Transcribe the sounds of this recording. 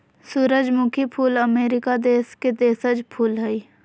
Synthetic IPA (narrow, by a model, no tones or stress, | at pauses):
suːɾəd͡ʒmʊ̃kʰipʰuːləmeːɾɪkad̪eːsked̪eːsəd͡ʒpʰuːlɦɛi